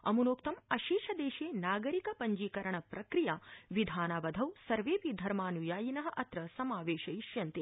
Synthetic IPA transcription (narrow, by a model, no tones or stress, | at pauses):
ɐ̰munoːkt̪ɐmɐʃiːʃɐd̪eːʃeːnaːɡɐɾikɐpɐɲd͡ʒiːkɐɾɐɳɐpɾɐkɾijaːʋid̪ʱaːnɐʋɐd̪ʱɐwsɐɾʋeːpid̪ʱɐɾmaːnujaːjinɐɦɐʔɐt̪ɾɐsɐmaːʋeːʃɐiʃjɐnt̪e